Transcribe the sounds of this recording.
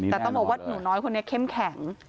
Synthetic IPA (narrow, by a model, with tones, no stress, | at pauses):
ɛː˨˩t̪ɔ˥˩ŋbɔ˨˩kwa˥˩t̪̚nuː˩˦nɔː˦˥jkʰo˧nːi˦˥ɐkʰe˥˩mkʰɛ˨˩˦ŋ